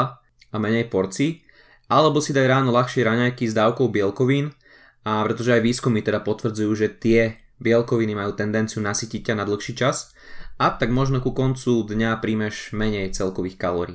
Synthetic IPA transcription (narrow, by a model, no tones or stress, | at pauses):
amɛɲɛjpɔɾt͡si | ʔalɛbɔsid̪ajɾaːnɔlaxʃɪɛɾaɲajkizd̪aːʊkɔʊbɪɛlkɔʋiːn | apɾɛt̪ɔʒɛajʋiːskumit̪ɛd̪apɔt̪ʋr̩d͡zujuːʒɛt̪ɪɛ | bɪɛlkɔʋinimajuːt̪ɛnd̪ɛnt͡siunasiːcic̚canad̪l̩xʃiːt͡ʃas | at̪aɡmɔʒnɔkukɔnt͡sud̪ɲapɾiːmɛʒmɛɲɛjt͡sɛlkɔʋiːxkalɔːɾḭː